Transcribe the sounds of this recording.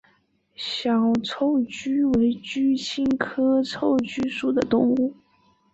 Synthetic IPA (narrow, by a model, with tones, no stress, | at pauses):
ɕjɑ˨˩ʊt͡sʰo˥˩ʊt͡ɕy˥we˧˥ɪt͡ɕy˥ɕʰi˥nkʰɤ˥t͡sʰo˥˩ʊt͡ɕy˥ʂu˨˩d̪ə˦t̪ʊ˥˧ŋu˥˩